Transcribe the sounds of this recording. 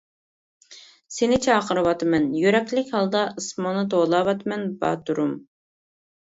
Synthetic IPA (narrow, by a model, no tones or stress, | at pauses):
senɪt͡ʃʰɛɑqʰəɾɨwɑt̪ɨmɛnjyɾɛkʲlɪkʲhɑlˠd̪ɑʔɨsmɑnɨt̪ʰolˠɑːwɑt̪mɛnbɑ̰t̪uɾum